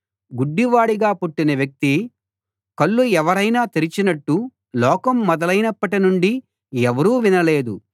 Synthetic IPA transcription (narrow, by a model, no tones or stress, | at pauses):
ɡuɖːiʋaːɽiɡaːpuʈːinɐʋjɐk̚t̪i | kɐɭːuɛʋɐɾɐjnaːt̪eɾit͡ʃinɐʈːu | lɔːkɐmːɔd̪ɐlɐjnɐpːɐʈinuɳɖi | ɛʋɐɾuːʋinɐle̞ːd̪u